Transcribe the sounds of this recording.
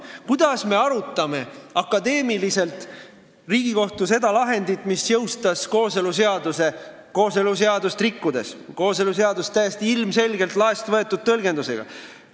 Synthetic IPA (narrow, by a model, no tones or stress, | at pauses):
kud̪̥ɑsme̞ɑɾut̪ˑːɑme̞ɑkːˑɑd̪e̞ːmilise̞lt̪ˑ | riːɡ̥iko̞ht̪use̞d̪ɑlɑɦe̞nd̪it̪ːˑmisjɤwst̪ɑsko̞ːse̞luseɑd̪use̞ko̞ːse̞lus̬e̞ɑd̪ust̪rikːud̪e̞sko̞ːse̞luse̞ɑd̪ust̪ːæjest̪iilmse̞lɡe̞lt̪lɑest̪vɤet̪ːˑud̪̥̚t̪ɤ̞lɡe̞nd̪use̞̰ɡ̥ɑ̰